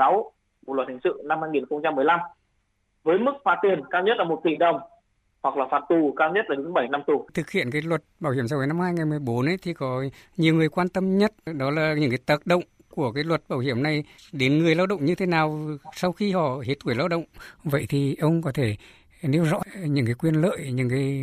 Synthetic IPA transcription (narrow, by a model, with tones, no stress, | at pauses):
a˨˦w | lwt̚hʰa˨˩ŋsɨ̰˧˨na˧mhaː˧jŋi˨˩nxə˧wŋ͡mt͡ɕa˧mːɨ˨˩əjla˧m | vəː˨˦jmɨ˦˥k̚faː˨˦˥t̪i˨˩ənkaː˧wɲə˦˥t̚laː˨˩mo˨˩t̚t̪ḭ˧˩ɗə˨˩wŋ͡m | hwa˨˩k̚laː˨˩faː˨˩t̚t̪u˨˩kaː˧wɲə˦˥t̚laː˨˩ɗɨ˨˦ŋɓə˧˩jna˧mt̪u˨˩t̪ʰɨ˨˩k̚hḭ˧˨ənkaː˨˦jlwə˨˩t̚ɓaː˧˩whi˧˩əmsa˧wvəː˨˦jna˧mhaː˧jŋa˨˩jmɨ˨˩əjɓo˨˦nʔə˧˦jt̪ʰi˨˩kɔ˨˦ɲi˨˩əwŋɨ˨˩əjkwaː˧nt̪ə˧mɲə˦˥t̚ɗɔ˨˦laː˨˩ɲɨ̰˧˥ŋkaː˨˦jt̪əː˨˩t̚ɗə̰˧˨wŋ͡m | ku˧˩əkaː˨˦jlwə˨˩t̚ɓaː˧˩whi˧˩əmna˨˩jɗe˨˦nŋɨ˨˩əjlaː˧wɗə̰˧˨wŋ͡mɲɨ˧t̪ʰe˨˦naː˨˩wsa˧wxi˧hɔ̰˧˨hi˨˦˥t̚ŋɨ˧˩əjlaː˧wɗə̰˧˨wŋ͡mvə̰˧˨jt̪ʰi˨˩ʔə˧wŋ͡mkɔ˨˦t̪ʰe˧˩ | ne˧wzɔ̰˧˥ɲɨ̰˧˥ŋkaː˨˦jkwi˧ənlə̰ː˧˨jɲɨ̰˧˥ŋkaː˨˦j